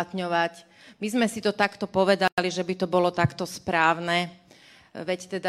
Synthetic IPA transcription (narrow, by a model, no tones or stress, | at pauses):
t̪ɲɔʋac | mizmɛsit̪ɔt̪akt̪ɔpɔʋɛd̪aliʒɛbit̪ɔbɔlɔt̪akt̪ɔspɾaːʊnɛ | ʋɛct̪ɛd̪a